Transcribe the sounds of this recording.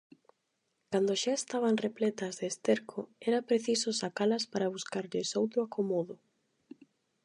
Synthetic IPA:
kand̪oʃaest̪aβ̞anreplɛt̪ɐzðeːst̪eɾkʰʊɛɾɐpɾeθisʊsakalɐspaɾɐβuskaɾʎɪsowt̪ɾʊakomɔðʊ

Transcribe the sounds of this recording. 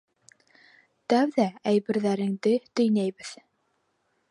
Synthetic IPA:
t̪æwðææjbɘ̆ɾðæɾɘ̆ŋd̪ɘt̪ɵ̆jnæjβɘð

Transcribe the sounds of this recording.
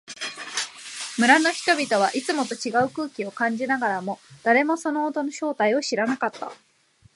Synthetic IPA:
mɯ̟ɾano̞çi̥t̪o̞bʲit̪o̞β̞aʔit͡sɨmo̞t̪o̞t͡ɕiɡaɯ̟kɯ̟ːkʲio̞kãɲ̟d͡ʑinaɡaɾamo̞d̪̥aɾe̞mo̞so̞no̞ːt̪o̞no̞ɕo̞ːt̪aio̞ɕiɾanakat̪ːa̰

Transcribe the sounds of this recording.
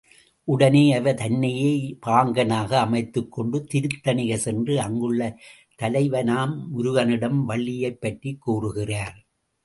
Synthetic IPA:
ʔʊɽɐneːɐʋɐt̪ɐnːɐjeːpaːŋɡɐnaːɣɐːmɐɪt̪ːɯkːɔɳɖɯt̪ɪɾɯt̪ːɐnɪɣɐsɛndrɯɐŋɡɯɭːɐ | t̪ɐlɐɪʋɐnaːmmʊɾʊɣɐnɪɽɐmʋɐɭːɪjɐɪpːɐʈrikːuːrɯɣɪraːɾ

